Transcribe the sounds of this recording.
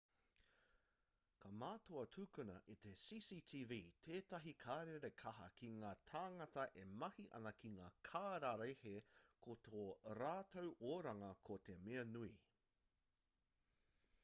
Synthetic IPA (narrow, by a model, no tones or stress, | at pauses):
kʰɐmaːtoɐtʰuːkunɐ̰ʔit̪e̞siːsiːtʰiːviːtʰeːtɐɦikʰaːɾeɾekʰɐɦɐ̰kʰiŋaːtʰaːŋɐtɐʔemɐhiʔɐ̰nɐkʰiŋaːkʰaːɾaɾejhekʰotoːɾaːtowʔoːɾɐŋɐkʰote̞meɐnui